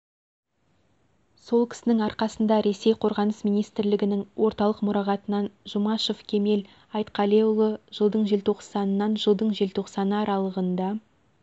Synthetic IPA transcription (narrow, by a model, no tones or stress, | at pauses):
so̞lˠkʲʰɪ̥sɪnɪŋɑɾqɑsənd̪ɑɾe̞se̞jqʰo̞ɾʁɑnəsmijnijst̪ɾlɪɡʲɪnɪŋwo̞ɾt̪ɑlˠəqmʊɾɑʁɑt̪ənɑnʒʊmɑʃofkʲʰe̞me̞l | ɑjt̪qɑle̞ulˠəʒ̥əlˠd̪əɴʒe̞lt̪ʰo̞qsɑnːɑnʒəlˠd̪əɴʒelt̪ʰo̞qsɑnəɑɾɑlˠəʁənd̪ɑ